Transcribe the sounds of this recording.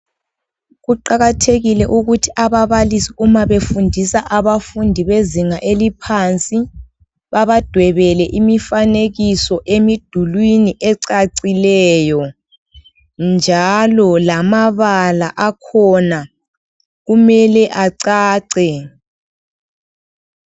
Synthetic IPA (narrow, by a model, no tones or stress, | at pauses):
ɣuǃaɣatʰeɣilɛʔuɣutʰiʔaβaβalisiumaβefundʱisaʔaβafundʱiβeziŋaʔelipʰant͡sʼi | βaβad̥ʱwɛβɛlɛʔimifaneɣisɔʔemid̥ʱulwiniʔɛǀaǀilɛːjɔ | nd͡ʒʱalɔlamaβalaʔakʰɔna | ɣumɛlɛʔaǀaːǀɛ